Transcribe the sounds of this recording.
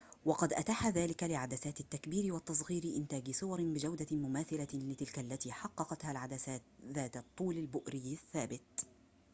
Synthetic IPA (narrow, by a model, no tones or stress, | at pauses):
wɑqɑd̪ʔat̪aħaðaːlɪkalɪʕad̪asaːt̪ɪt̪ːakbiːɾɪwat̪ːɑs̬ˤɣiːɾɪʔɪnt̪aːɡɪsʊwɑɾbɪd͡ʒawd̪amʊmaːθɪlalɪt̪ɪlkalːat̪iːħɑqːɑqɑt̪halʕad̪aaːðaːt̪t̪ˤːuːlalbʊʔɾɪjaθːaːbɪt̪̚